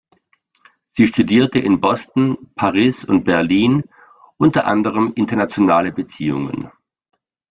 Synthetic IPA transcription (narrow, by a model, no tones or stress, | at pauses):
z̥iːʃtudiːɐtəʔɪnbɔstn̩pʰaʁiːsʊnt̚b̥ɛɐliːn | ʔʊntɐʔa̰ndəʁ̞əmʔɪntɐnat͡sjonaːləbət͡siːʊ̰ŋə̰n